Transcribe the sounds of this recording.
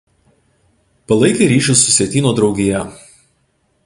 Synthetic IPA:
pɐlˠɐɪkʲeɾʲiːʃʲʊsːʊsʲɛt̪ʲiːnoːd̪ɾɒʊɡʲɪjɛ

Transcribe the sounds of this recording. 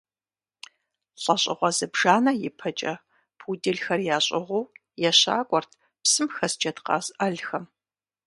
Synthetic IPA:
ɬʼɐɕʼɪʁʷɔzɨbʒaːnɐjɪpʰɐt͡ʃʼɐ | pʰudɪɮxɐrjaːɕʼɪʁʷow | jɛɕa̰ːkʷʼɔrtʰ | psɨmxɐsd͡ʒɐtqɑ̰ːzʔɐɮxɐm

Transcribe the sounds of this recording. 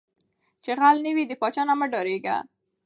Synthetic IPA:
t͡ʃeɣalnəwid̪əpɑt͡ʃɑnaməɖɔɾeɡa̰

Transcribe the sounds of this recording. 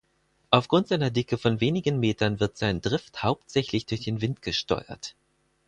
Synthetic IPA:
ʔaʊfɡ̥ʁʊntz̥aɪnɐdɪkəfɔnveːnɪɡənmeːtɐnvɪɐtz̥aɪndʁɪfthaʊp̚tz̥ɛçlɪçd̥ʊɐçd̥eːnvɪntɡ̥əʃtɔ̰ʏɐ̰t

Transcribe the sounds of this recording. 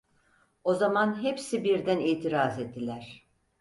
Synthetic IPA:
o̞zamanɦepsibiɾd̪æniːt̪ʰiɾazed̪ːilʲæɾ̥

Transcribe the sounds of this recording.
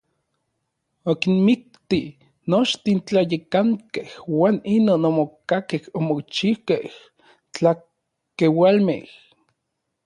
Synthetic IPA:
okinmik̚t̪i | not͡ʃt̪int͡ɬajekaŋkehwaːninoːnomokakehomokt͡ʃiwkeh | t͡ɬa | kewalmḛh

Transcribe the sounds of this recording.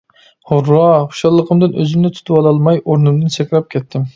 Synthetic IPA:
hʊɾːɑχo̥ʃɑlˠːəqʰəmd̪ɨnʔø̰zymnɪt̪ʰu̥t̪ʰɨpɑlˠɑlˠmɑjoɾnɨmd̪ɨnt͡ʃʰɛkʲɾɑp̚kʲʰɛt̪ʰːɪm

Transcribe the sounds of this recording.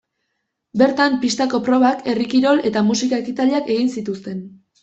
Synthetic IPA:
be̞ɾt̪ampist̪ako̞pɾo̞β̞akʰe̞rikiɾo̞le̞t̪amusikaekit̪aliake̞ɣinsit̪ust̪e̞n

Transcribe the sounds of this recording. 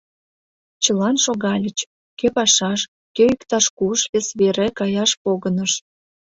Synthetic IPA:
t͡ɕəlɑnʃoɣɑlʲət͡ɕ | køpɑʃɑʃ | køykt̪ɑʃkuʃβesβeɾekɑjɑʃpoɣənəʃ

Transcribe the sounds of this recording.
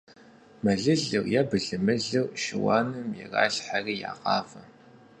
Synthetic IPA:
mɐɮɨɮɨwjabɨɮɨmɨɮɨwʃɪwɑ̰ːnɨmjɛ̰ra̰ːɮħariːja̰ːqɑːfɐ

